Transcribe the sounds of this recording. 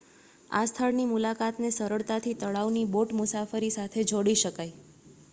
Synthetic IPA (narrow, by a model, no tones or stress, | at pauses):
a̰st̪ʰəɭnimulakat̪nesəɾəɭt̪at̪ʰit̪əɭaʋniboʈmʊsafəɾisat̪ʰed͡ʒoɽiʃəkaj